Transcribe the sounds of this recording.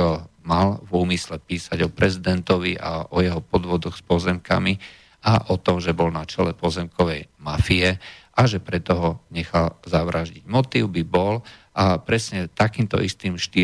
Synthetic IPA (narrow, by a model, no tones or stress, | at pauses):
malvuːmislɛpiːsaɟɔpɾɛzid̪ɛnt̪ɔʋiʔa̰ʔɔjɛɦɔpɔd̪ʋɔd̪ɔɣspɔzɛmka̰mi | ʔaʔɔt̪ɔmʒɛbɔlnat͡ʃɛlɛpɔzɛmkɔʋɛjmafiɛʔaʒɛpɾɛt̪ɔɦɔɲɛxalzaʋɾʔaʒɟiɟmɔt̪iʊbibɔlʔapɾɛsɲɛt̪akiːmt̪ɔ̰ʔist̪iːmʃt̪i